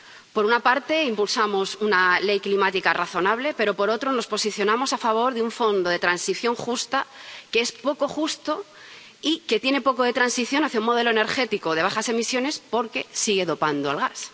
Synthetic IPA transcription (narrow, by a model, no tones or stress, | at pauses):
po̞ɾunapaɾt̪e̞impulsamo̞sunale̞jklimat̪ikaraθo̞naβ̞le̞pe̞ɾo̞po̞ɾo̞t̪ɾo̞no̞spo̞siθjo̞nãmo̞safaβ̞o̞ɾðeuɱfo̞nd̪o̞ð̞e̞t̪ɾansiθjo̞ŋxust̪akeespo̞ko̞xust̪o̞ | ike̞t̪je̞ne̞po̞ko̞ð̞e̞t̪ɾansiθjo̞naθjauŋmo̞ð̞e̞loene̞ɾxe̞t̪iko̞ð̞e̞β̞aχase̞misjo̞ne̞spo̞ɾke̞siɣ̞e̞ðo̞pand̪oa̰lɣas